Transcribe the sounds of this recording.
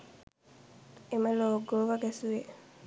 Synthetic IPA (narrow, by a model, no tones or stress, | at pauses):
ʔemɐloːɡoːʋɐɡæsuʋe